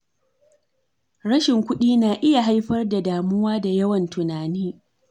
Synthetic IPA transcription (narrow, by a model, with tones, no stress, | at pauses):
ɽɐ˦ʃɪ˨ŋkʷʊ˦ɗiː˦naː˨ʔɪ˦ja˨ɦa˦jɸɐ˦rda˨daː˨mʊ˦waː˦da˨jɐ˦wɐ˨ntʊ˨naː˨niː˦